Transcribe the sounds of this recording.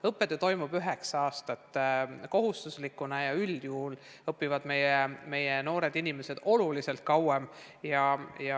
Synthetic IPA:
ɤpːˑet̪ːˑøt̪o̞jmub̥yɦe̞ksɑɑːst̪ɑt̪ːˑko̞ɦust̪uslikːˑunɑjɑyljul | ɤpːivɑd̪̥me̞jeme̞jeno̞ːɾe̞d̪inime̞se̞d̪̥o̞lulise̞lt̪̚kɑwem | jɑjɑ

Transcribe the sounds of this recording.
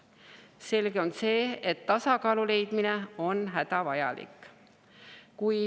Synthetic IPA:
se̞lɡ̥eo̞nse̞ːet̪ːɑsɑkɑːlule̞jd̪̥mine̞o̞nɦæd̪̥ɑvɑjɑ̰lḭkːˑ | kuj

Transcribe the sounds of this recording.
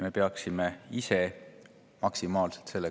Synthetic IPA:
me̞pe̞ɑksime̞ise̞ | mɑksimɑːlselt̪se̞lːe

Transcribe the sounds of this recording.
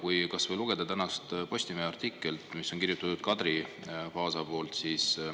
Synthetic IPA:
kujkɑsvɤjluɡ̥e̞d̪̥ɑt̪ænɑst̪po̞st̪imeeɑrt̪ikˑːelt̪misːo̞ŋkirjut̪ːut̪ːud̪̥̚kɑd̪ɾi | pɑːsɑpo̞ːlt̪siːs

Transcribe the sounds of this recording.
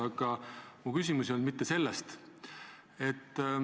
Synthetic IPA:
ɑɡ̥ɑmukys̬ʲimusio̞nmit̪ːe̞se̞lːɛst̪ | e̞t̪ː

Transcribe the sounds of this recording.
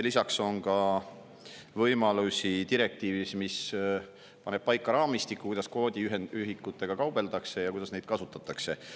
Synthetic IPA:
lisɑkso̞ŋkɑ | vɤjmɑlusit̪iɾe̞k̚t̪iːvismis | pɑne̞b̥̚pɑjkːˑɑɾɑːmist̪ikːˑukujd̪ɑsko̞ːd̪̥ʲiyɦeyɦikːut̪ːˑe̞ɡ̥ɑkɑwb̥e̞ld̪ɑkse̞jɑkujd̪ɑsnejd̪̚kɑsut̪ːˑɑt̪ːˑɑkse̞

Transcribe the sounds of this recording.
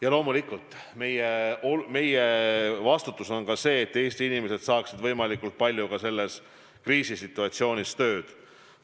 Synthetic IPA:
jɑlo̞ːmulikːult̪ːˑ | me̞jeome̞jevɑst̪ut̪ːˑuso̞nkɑse̞ːt̪ːe̞ːsʲt̪iinime̞se̞d̪̥sɑːksid̪vɤjmɑlikːult̪̚pɑlʲjukɑse̞lːe̞s | kriːsisit̪ːˑuɑt̪sio̞ːnʲist̪ø̞ːd̪̥

